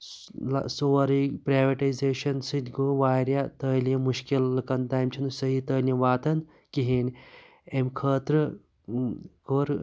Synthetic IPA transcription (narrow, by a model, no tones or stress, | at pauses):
l̰soːɾipɾaːʋɐʈɐjzeːʃɐnsɨd̪ʲɡoʋaːɾjat̪əːljɐmuʃkilːɨkɐnd̪aːmʲt͡ʃʰinɨsɐɦit̪əːljɐʋaːt̪ɐn | kiɦenʲ | emʲkʰəːt̪ɾɨ | koːɾ